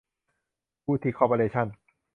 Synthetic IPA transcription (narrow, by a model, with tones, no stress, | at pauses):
pʰuː˥˩t̪ʰiː˦˥kʰɔ˧po˧ɾeː˧˩t͡ɕʰa˥˩n